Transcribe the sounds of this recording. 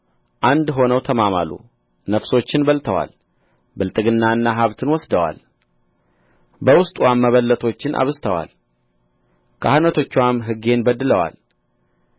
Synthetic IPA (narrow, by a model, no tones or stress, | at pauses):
ʔand̪ɦo̞nəwt̪ʰəmama̰lṵ | nəfso̞t͡ʃːɪnbəlt̪ʰəwa̰l | bɨlt̪ʼɨɡɨnːaɨnːaɦaβt̪ʰɨnwɔsd̪əwa̰l | bəwʊst̪ʼwamːəβəlːət̪ʰo̞t͡ʃːɪnʔa̰βɨst̪ʰəwa̰l | kʰahɨnət̪ʰo̞t͡ʃːuwamɦɨɡe̞nbəd̪ːɨləwa̰l